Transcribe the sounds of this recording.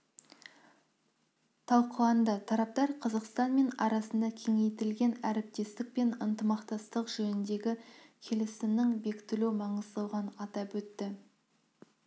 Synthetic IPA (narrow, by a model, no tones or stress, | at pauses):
t̪ʰɑlˠqəlˠɑnd̪ɑt̪ʰɑɾɑp̚t̪ɑɾqʰɑzəqst̪ɑnme̞nɑɾɑsənd̪ɑkʲʰe̞ŋe̞jt̪ɪlɡʲe̞næɾɪp̚t̪e̞st̪ɪk̚pe̞nənt̪əmɑqt̪ɑst̪əqʒɵnɪnd̪e̞ɡʲɪkʲʰe̞lɪsɪmnɪŋbe̞kʲɪ̥t̪ɪluwmɑɴəzd̪ɑwʁɑnɑt̪ɑpwɵt̪ːɪ